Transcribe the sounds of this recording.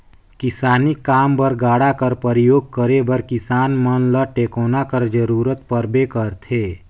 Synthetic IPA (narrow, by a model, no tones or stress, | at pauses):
kɪsaːnɪkːaːmbəɾɡaːɽakəɾpəɾijoːɡ̚kəɾebəɾkɪsaːnmənləʈeːkoːnakəɾd͡ʒəɾuːɾət̪pəɾbekəɾt̪ʰeː